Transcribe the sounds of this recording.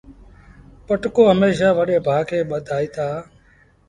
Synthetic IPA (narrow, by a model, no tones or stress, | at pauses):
pəʈkoːɦəmeːʃ̬aːʋəɗeːbʱaːkʰeːɓəd̪ʱaːiːt̪ʰaː